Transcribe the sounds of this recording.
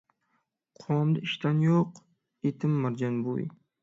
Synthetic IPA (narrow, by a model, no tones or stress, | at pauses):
qʰɒmd̪aɪʃt̪anjoq | et̪ʰɪmːaɾd͡ʒanbo̰j